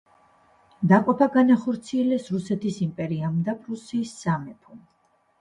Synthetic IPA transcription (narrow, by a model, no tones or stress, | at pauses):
d̪aqʼɔpʰaɡanaχɔɾt̪sʰiɛlɛsɾusɛt̪ʰisimpʼɛɾiamd̪apʼɾusiːsːamɛpʰum